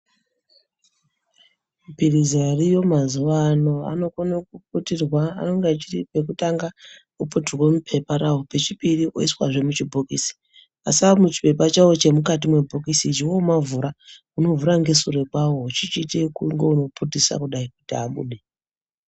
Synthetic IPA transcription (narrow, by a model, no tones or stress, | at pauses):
mpirizarijo̞mazuʋano̞a̰no̞konokup̚utirwaa̰no̞ŋɡat͡ʃiripe̞k̬utaŋɡa | kuputirwomupʰe̞paɾawope̞t͡ʃipiriʔo̰iswa̰ʐe̞mut͡ʃibʱokisi̥ | a̰siamut͡ʃi̥pe̞pat͡ʃawo̞t͡ʃe̞mukatimwe̞bʱokisit͡ʃiwomavuɾa | uno̞vuɾaŋɡe̞sure̞kwawo̞ut͡ʃit͡ʃitekuŋɡeuno̞pʰutisa̰kuɗaikutiaɓṵɗe̞